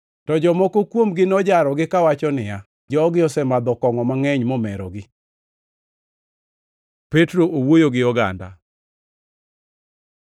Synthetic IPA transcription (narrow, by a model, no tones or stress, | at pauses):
tɔd͡ʒɔmɔkokwomɡɪnɔd͡ʒaɾɔɡɪkawat͡ʃɔnɪja | d͡ʒɔɡɪɔsɛmad̪ɔkɔŋɔmaŋɛɲmɔmɛɾɔ̰ɡɪ | pɛtɾoʔowojoɡɪɔɡa̰nda̰